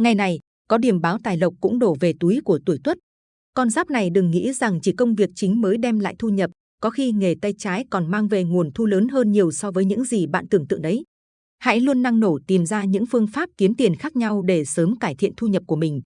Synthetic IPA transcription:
ŋa˨˩jna˨˩j | kɔ˨˦ɗi˧˩əmɓaː˨˦wt̪aː˨˩jlə˨˩wk͡p̚kʊ̰˧˥ŋ͡mɗo˧˩ve˨˩t̪u˨˦jku˧˩ət̪u˧˩əjt̪wə˦˥t̚ | kɔ˧nzaː˦˥p̚na˨˩jɗɨ˨˩ŋːḭ˧˥za˨˩ŋt͡ɕi˧˩kə˧wŋ͡mvi˨˩ək̚t͡ɕï˨˦ŋ̟məː˨˦jɗɛ˧mla̰ː˧˨jt̪ʰu˧ɲə˨˩p̚ | kɔ˨˦xi˧ŋe˨˩t̪a˧jt͡ɕaː˨˦jkɔ˨˩nmaː˧ŋve˨˩ŋu˨˩ənt̪ʰu˧ləː˨˦nɦəː˧nɲi˨˩əwsɔ˧vəː˨˦jɲɨ̰˧˥ŋzi˨˩ɓa̰ː˧˨nt̪ɨ˨˩əŋt̪ɨ̰˧˨ŋʔɗə˨˦j | ha̰˧˥jlu˧ənːa˧ŋno˧˩t̪i˨˩mzaː˧ɲɨ̰˧˥ŋfɨ˧əŋfaː˦˥p̚ki˨˦nt̪i˨˩ənxaː˦˥k̚ɲa˧wɗe˧˩səː˨˦mkaː˧˩jt̪ʰḭ˧˨ənt̪ʰu˧ɲə˨˩p̚ku˧˩əmï˨˩ŋ̟

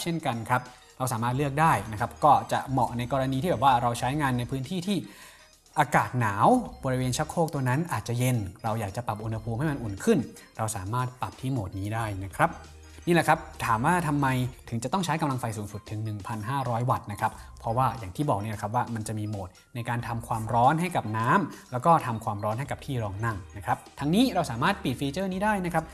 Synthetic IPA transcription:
t͡ɕʰe˥˩nka˧nkʰɾa˦˥p̚ | ɾa˧wsaː˩˦maː˥˩t̪̚lɯ˥˩ək̚daː˥˩jna˦˥kʰa˦˥p̚kɔː˥˩t͡ɕa˨˩ʔmɔ˨˩ʔna˧jkɔː˧ɾa˧niː˧t̪iː˥˩ɛ˨˩pwaː˥˩ɾa˧wt͡ɕʰa˦˥jŋaː˧nːa˧jpʰɯː˦˥nt̪ʰiː˥˩t̪ʰiː˥˩ | ʔaː˧kaː˨˩t̪̚naː˩˦wbɔ˧ɾi˧weː˧nt͡ɕʰa˦˥kʰːoː˥˩k̚t̪u˧na˦˥nʔaː˨˩t̪̚t͡ɕa˨˩je˧nɾa˧wjaː˨˩k̚t͡ɕa˨˩pa˨˩p̚ʔu˧nha˧pʰuː˧mha˥˩jma˧nʔu˨˩nkʰɯ˥˩n | ɾa˧wsaː˩˦maː˥˩t̪̚pa˨˩p̚t̪ʰiː˥˩moː˨˩t̪̚niː˦˥daː˥˩jna˦˥kʰɾa˦˥p̚ | niː˥˩la˨˩kʰɾa˦˥p̚t̪ʰaː˩˦mwaː˥˩t̪ʰa˧mːa˧jt̪ʰɯ˨˩˦ŋt͡ɕa˨˩t̪ɔ˥˩ŋt͡ɕʰaː˦˥jka˧mla˧ŋfa˧jsuː˩˦ŋsu˨˩t̪ʰːɯ˩˦ŋnɯ˨˩ŋpʰa˧nɦaː˥˩ɾɔː˦˥jwa˨˩t̪̚na˦˥kʰɾa˦˥p̚ʰːɔ˦˥waː˥˩jaː˨˩ŋt̪ʰiː˥˩bɔː˨˩k̚ni˥˩lkʰa˦˥p̚waː˥˩ma˧nt͡ɕa˨˩ʔmiː˧moː˨˩t̪̚na˧jkaː˧nt̪ʰa˧mkʰwaː˧mɾɔː˦˥nɦa˥˩jka˨˩p̚naː˦˥mlɛː˦˥wkɔː˥˩t̪ʰa˧mkʰwaː˧mɾɔː˦˥nɦa˥˩jka˨˩p̚t̪ʰiː˥˩ɾɔː˧ŋna˥˩ŋna˦˥kʰɾa˦˥p̚t̪ʰa˧˥ŋniː˦˥ɾa˧wsaː˩˦maː˥˩t̪̚pi˨˩t̪̚fiː˧t͡ɕɤː˥˩niː˦˥daː˥˩jna˦˥kʰɾa˦˥p̚

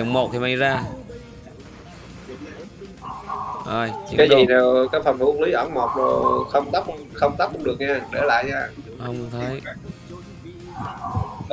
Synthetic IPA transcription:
ŋ͡mmo˨˩t̚t̪ʰi˨˩ma˧˩jzaː˧ | ʔə˨˩jaː˨˦zi˨˩na˨˩kaː˨˥kfə˨˩nt̪u˧˦əŋli˨˦jʔɔ˧˩nmo˨˩t̚zo˨˩xə˧wŋ͡mt̪ə˦˥p̚xə˧wŋ͡mt̪a˦˥p̚kʊ˧ŋ͡mɗɨ˨˩ək̚ɲaː˧ɗe˧˩la̰ː˧˨jɲaː˧˩hə˧wŋ͡mt̪ʰe˨˦j

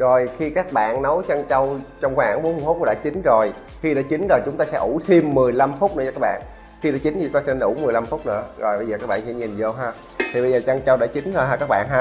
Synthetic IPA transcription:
zo˨˩jxi˧kaː˦˥k̚ɓa̰ː˧˨nnə˨˦wt͡ɕa˧ŋt͡ɕə˧wt͡ɕɔ˧wŋ͡mxwaː˧˩ŋɓo˨˦nhu˧h̚ku˧˥˦a̰ː˧˥t͡ɕi˨˦ŋ̟zo˨˩j | xi˧ɗa̰ː˧˥t͡ɕï˨˦ŋ̟zo˨˩jt͡ɕʊ˨˦ŋ͡mt̪aː˧sɛ̰˧˥ʔu˧˩t̪ʰi˧mːɨ˨˩əjla˧mfʊ˦˥k͡p̚nɨ̰˧˥˦aː˧kːaː˦˥ɓa̰ː˧˨n | xi˧ɗa̰ː˧˥t͡ɕi˨˦nʰ˨t͡ɕʊ˨˦ŋ͡mt̪ːsn˧ʔṵ˧˩ŋ͡mmɨ˨˩jla˧mfʊ˦˥k͡p̚nɨ̰˧˥əzo˨˩jɓə˧zəː˨˩kaː˦˥k̚ɓ̰ːsɛ̰˧˥ɲi˨˩nzo˧˩ɦaː˧ | t̪ʰi˨˩ɓə˧jzəː˨˩t͡ɕa˧ŋt͡ɕə˧wɗa̰ː˧˥t͡ɕi˨˦ŋ̟haː˧kaː˦˥k̚ɓa̰ː˧˨nɦaː˧

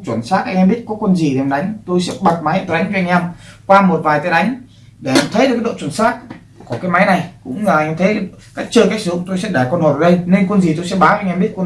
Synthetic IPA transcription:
t͡ɕwə˧˩nsaː˦˥t̚ʔa˧jŋ̟ʔɛ˧ɓi˦˥ət̚kɔ˨˦kwə˧nzi˨˩ɗe˧˨˩ɗa˨˦jŋ̟t̪o˧jsɛ̰˧˥ɓa˨˩t̚ma˨˦jt̪o˧˩ɗa˨˦jŋvʔŋ̟ʔɛ˧mkwaː˧mo˨˩t̚vaː˨˩jt̪a˨˦ɗa˨˦jŋ̟ | ɗe˧˩a˧mt̪ʰə˨˦jɗɨ˨˩kːɗo̰˧˨t͡ɕwu˧˩nsaː˦˥t̚ | ku˧˩kaː˨˦jma˨˦jna˨˩jkʊ̰˧˥ŋ͡ma˨˩˨a˧ŋʔɛ˧mt̪ʰə˨˦˨kaː˦˥k̚t͡ɕəː˧jka˦˥k̚sɨ˨˧˩zʊ̰˧˨ŋ͡mt̪o˧jsɛ̰˧˥ɗa˧˩kɔ˧nho˨˩˨ə˨˩ɗə˧jne˧nkwə˧nzi˨˩t̪o˧sɛ̰˧˥ɓaː˨˦wŋʔɛ˧mɓi˦˥t̚kwə˧n

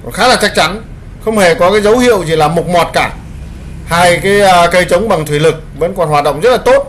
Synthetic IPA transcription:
kɔ˨˩nxaː˨˦laː˨˩t͡ɕa˦˥k̚t͡ɕa˨˦n | xə˧wŋ͡mhe˧˨˩kɔ˨˦kaː˨˦jzə˨˦whḭ˧˨ə˨wzi˨˩laː˨˩mʊ˨˩t̚mɔ˨˩t̚kaː˧˩ | haː˧jkaː˨˦jkə˧jt͡ɕə˨˦wŋ͡mɓa˨˩ŋt̪ʰwi˧˩lɨ˨˩k̚və̰˧˥nkɔ˨˩nhwaː˨˩t̚ɗə̰˧˨wŋ͡mzə˦˥laː˨˩t̪o˦˥t̚

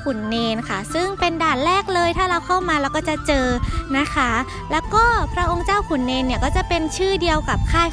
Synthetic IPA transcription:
kʰu˨˩˦nːeː˧nkʰa˥˩sɯ˥˩ŋpe˧ndaː˨˩t̪̚ɾɛː˥˩k̚lɤː˧jt̪ʰaː˥˩ɾa˧wkʰa˥˩wmaː˧lɛː˦˥wkɔː˥˩t͡ɕa˨˩t͡ɕɤː˧na˦˥kʰa˦˥ | lɛː˦˥wkɔː˥˩pʰɾa˦˥ʔo˧ŋt͡ɕaː˥˩wkʰu˨˩˦nːeː˧nːi˥˩kɔː˥˩t͡ɕa˨˩pe˧nt͡ɕʰɯː˥˩di˧əwka˨˩p̚kʰaː˥˩j

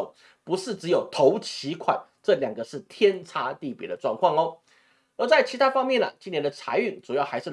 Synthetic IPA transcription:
pu˧˥ʂɻ̩˥˩ʈ͡ʂɻ̩˧˥jo˨˩ʊt̪ʰo˧˥ʊt͡ɕʰi˧˥kʰwa˨˩˦n | ʈ͡ʂɤ˥˩ljɑ˨˩ŋɡə˦ʂɻ̩˥˩t̪ʰjɛ˥nt͡sʰa˥t̪i˥˩pjɛ̰˨˧˥d̪ə˧ʈ͡ʂwɑ̰˥˧ŋkʰwɑ˥˩ŋo˧ | ə˧˥t͡sa˥˩ɪt͡ɕʰi˧˥t̪ʰa˥fɑ˥ŋmjɛ˥˨nə̰˩t͡ɕi˥njɛ˧˥nd̪ə˨˧t͡sʰa̰˧˥ɪy˥˩ŋt͡su˨˩jɑ˥˩xa˧˥ɪʂɻ̩˥˩

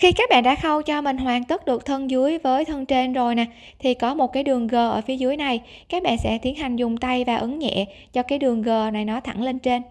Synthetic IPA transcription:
xi˧kaː˦˥k̚ɓa̰ː˧˨nɗa̰ː˧˥xə˧wt͡ɕɔ˧mï˨˩ŋ̟hwaː˨˩ŋt̪ə˦˥t̚ɗɨ˨˩ək̚t̪ʰə˧nzɨ˨˦əjvəː˨˦jt̪ʰə˧nt͡ɕe˧nzo˨˩jna˨˩ | t̪ʰi˨˩kɔ˨˦mo˨˩t̚kaː˨˦jɗɨ˨˩əŋɣəː˨˩ʔəː˧˩fi˨˦əzɨ˨˦əjna˨˩j | kaː˦˥k̚ɓa̰ː˧˨nsɛ̰˧˥t̪i˨˦ənha˨˩jŋ̟zʊ˨˩ŋ͡mt̪a˧jvaː˨˩ʔɨ˨˦ŋɲɛ̰˧˨ | t͡ɕɔ˧kaː˨˦jɗɨ˨˩əŋɣəː˨˩na˨˩jnɔ˨˦t̪ʰa˧˩ŋle˧nt͡ɕe˧n

